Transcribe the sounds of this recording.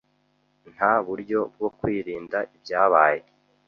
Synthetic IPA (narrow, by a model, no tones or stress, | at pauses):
n̥haβuɾjo̞b̚ɡo̞kwiːɾiːndaʔibjaːβaːje